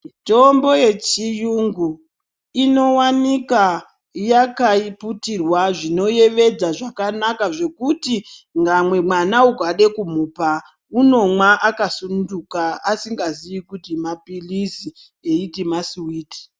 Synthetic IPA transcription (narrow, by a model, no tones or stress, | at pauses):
to̞mbo̞je̞t͡ʃijuŋɡu | ino̞wanika | jakaiputirwaʐino̞je̞ʋe̞d͡zaʐakanakaʐe̞kutiŋɡamwe̞mwanauɡʱwaɗe̞kumuːpa | uno̞mwaʔakasunndukaasiŋɡaziʋikutimapilisi | eitimaswiːti̥